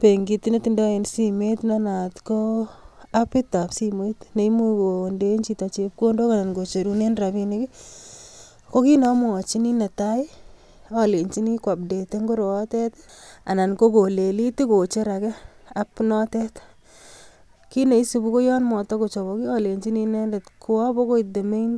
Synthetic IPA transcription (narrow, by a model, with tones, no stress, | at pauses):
pe˨ŋɡi˧ti˦ne˦ti˨ndɔ˦e˨nsi˦me˦tna˦na˨tko˦a˦pɪ˦ta˨psi˦mo˦i˦tne˨˦i˦mu˦ko˨nde˦ɲt͡ʃi˦ta˨t͡ʃe˨p̚ko˦ndo˦ka˨na˨nɡo˨t͡ʃe˨ɾu˨ne˦nɾa˨pi˦ne˦ki˦ | ko˦ki˦nɔ˨m˦ɔ˨t͡ʃi˦ni˦ne˨ta˦j | ɔ˨le˨ɲt͡ʃi˦ni˦kwa˨p̚de˨te˦ŋɡo˦ɾo˨ɔ˦tɛ˦ta̰˨na˨nko˦ko˨le˨li˦ti˦ko˨t͡ʃe˦ɾa˨kɛ˦a˦pnɔ˦tɛ˦t | ki˦ne˨i˦su˨bu˦ko˦jɔ˦nmɔ˨tɔ˦ko˨t͡ʃɔ˨βɔ˨ki˦ɔ˦le˨ɲt͡ʃi˦ni˦ne˦nde˨tku˨a˦bɔ˦ko˦i˨te˨me˦n